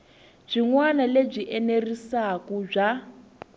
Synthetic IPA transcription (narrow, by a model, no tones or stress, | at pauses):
b͡ʐiŋwanaleb͡ʐiʔɛnerisakub͡ʐa